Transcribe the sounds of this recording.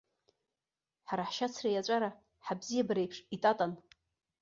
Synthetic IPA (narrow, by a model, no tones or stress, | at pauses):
ħaɾaħʃat͡sʰrajat͡ʃʷʼaɾa | ħabzijabaɾejpʰʂitʼatʼan